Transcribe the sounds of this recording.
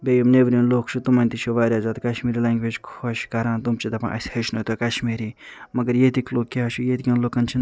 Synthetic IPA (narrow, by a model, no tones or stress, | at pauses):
bʲejumneʋɾʲĩːnloːkʰt͡ʃʰut̪umɐnʲt̪it͡ʃʰuʋaːɾʲjaːzaːt̪kɐʃmiːɾilaːŋɡʋeːd͡ʒkʰoʃkɐɾãːnt̪umt͡ʃʰit̪ɐpã̰ːʔɐ̰sʲhɐʃnot̪okɐʃmiːɾiːmɐɡəɾjeːt̪ikloːk̚ʲːiat͡ʃʰujeːt̪ikʲɐ̃nloːkɐnt͡ʃʰin